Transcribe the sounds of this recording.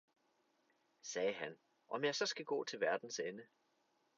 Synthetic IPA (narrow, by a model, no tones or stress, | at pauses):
sɛːɦæn | ʔɒ̽mjɑ̈ɪsɒ̽sɡ̥æɡ̥ɔ̰ːt͡sʰe̝lʋæɐd̥n̩senə